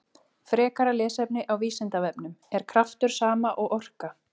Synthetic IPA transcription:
fɾɛːkaɾalɛːsɛpnɪʔawviːsɛnt̪avɛpnʏmɛɾ̥kʰɾaft̪ʏɾ̥saːmaʔɔɣʔɔr̥ka

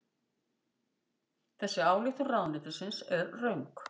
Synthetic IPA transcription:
θɛsːɪaːwlixt̪ʏrawnlɪːt̪asɪnsɛɾrœɥŋk

